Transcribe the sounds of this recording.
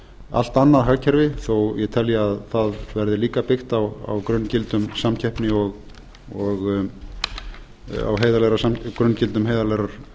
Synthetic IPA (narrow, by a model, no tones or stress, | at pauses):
a̰l̥t̪anːaɾɦaɣcʰɛɾvɪθowjɛt̪ʰɛljɛaðθaðvɛɾðɪliːkapɪxt̪awa̰wkɾʏncɪlt̪ʏmsamcʰɛhpnɪɔɣ | ɔɣ | a̰wɦeːjðalɛɾasamkɾœncɪlt̪ʏmɦeːjðalɛɾaɾ̥